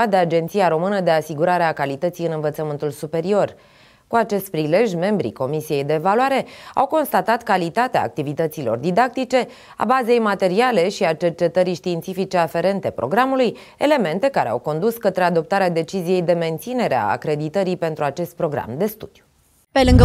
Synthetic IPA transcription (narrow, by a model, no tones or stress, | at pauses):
ad̪ead͡ʒe̞nt̪sijaɾo̞mɨnəd̪e̞asiɡuɾaɾeakalit̪ət̪sijɨnɨnvət̪səmɨnt̪ulsupe̞ɾio̞r | kuat͡ʃe̞st̪̚pɾile̞ʒʲme̞mbɾḭko̞misije̞jd̪e̞ːvalwaɾe̞a̰wko̞nst̪at̪at̪kalit̪at̪ea̰ːk̚t̪ivit̪ət̪silo̞̰rd̪id̪ak̚t̪it͡ʃe̞ | a̰baze̞jmat̪e̞ɾiale̞ʃiat͡ʃe̞rt͡ʃe̞t̪əɾiʃt̪iːnt̪sifit͡ʃe̞afe̞ɾe̞nt̪e̞pɾo̞̰ɡɾamuluj | e̞le̞me̞nt̪e̞kaɾe̞a̰wko̞nd̪uskət̪ɾead̪o̞p̚t̪aɾead̪e̞t͡ʃizije̞jd̪e̞me̞nt̪sine̞ɾea̰ːkɾe̞d̪it̪əɾipe̞nt̪ɾuat͡ʃe̞st̪̚pɾo̞ɡɾa̰md̪e̞st̪ud̪̥ju̥ | pelɨŋɡ